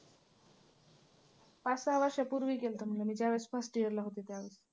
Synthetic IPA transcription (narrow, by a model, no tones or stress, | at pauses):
pasaʋaɕapuɾʋiːkelt̪əm̤ələmiːd͡ʑaʋesfasʈiəɾlaɦot̪et̪eaʋes